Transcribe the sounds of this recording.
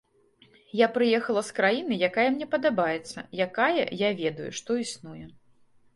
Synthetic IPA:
japɾɨjɛxɐlˠɐskɾajinɨjakajɐmnʲɛpɐd̪abajɛt̪sːɐjakajɛ̰javʲɛd̪ɐjṵʂt̪ɔisnujɛ

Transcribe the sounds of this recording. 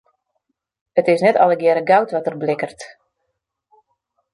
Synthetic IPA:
ətɪsnɛtɔ̰ləɡɛɾəɡawtʋɔtərblɪkərt

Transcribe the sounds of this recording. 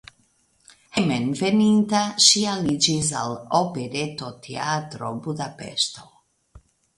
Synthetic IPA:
hemenvenint̪aʃialid͡ʒis̬a̰lopeɾet̪ot̪ʰeat̪ɾobud̪apḛʃt̪o

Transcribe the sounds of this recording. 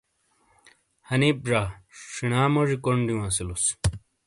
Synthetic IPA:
hɐnip̚ʐaʂinaːmoʐikoɳɖijũɐsilus

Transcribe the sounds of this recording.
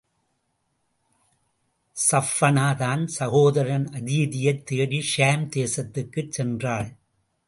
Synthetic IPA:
sɐfːɐnaːðaːnsɐɣoːðɐɾɐnɐðɪjɐðɪjɐɪt̪ːeːɽiʂaːmt̪eːsɐt̪ːɯkːɯt͡ʃsɛndraːɭ

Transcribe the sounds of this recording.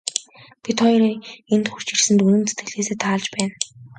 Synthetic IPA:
pʲit̪χɔjrent̪xur̥t͡ɕirsɘ̆nt̪ɵnɘ̆nt͡set̪ɡɘ̆ɮeːseːt̪ʰaːɮt͡ɕpæːn

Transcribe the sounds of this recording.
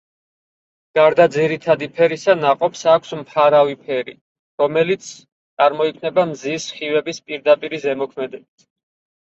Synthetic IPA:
ɡ̥aɾd̪ad̪ziɾit̪ʰad̪ipʰɛɾisanaqʼɔpsakʷʰsmpʰaɾavipʰɛɾḭ | ɾɔmɛlit̪sʰ | t̪sʼaɾmɔikʰnɛbamzisχivɛbispʼiɾd̪apʼiɾizɛmɔkʰmɛd̪ɛbit̪ʰ

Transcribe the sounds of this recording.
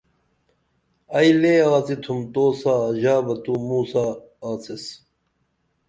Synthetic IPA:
ɐjleːaːt͡sit̪ʰumt̪oːsaːʑaːbɐt̪uːmuːsaː | t͡ses

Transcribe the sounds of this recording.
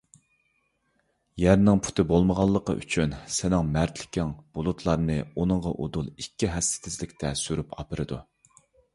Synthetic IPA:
jæɾnɪŋpʰu̥t̪ʰɨbolˠməʁɑlˠːəqə̰ʔy̰t͡ʃʰynsɪnɪŋmæɾt̪ʰlɪ̥kʲɪŋb̥olˠut̪ʰlˠɑɾnɨunɨŋʁɑʔod̪ulˠikʲːiɦɛst̪ɪ̥t̪ʰɪzlɪkʲt̪ʰɛsyɾypʰɑ̰pɨɾɨd̪u

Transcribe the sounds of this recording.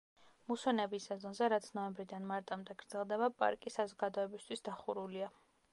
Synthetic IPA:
muswɛnɛbisɛzɔnzɛɾat̪sʰnɔɛmbɾid̪anmaɾt̪ʼamd̪ɛɡ̥ɾd̪z̥ɛlˠd̪ɛβapʼa̰ɾkʼisazɔɡad̪ɔɛbist̪ʰwisd̪aχuɾulia

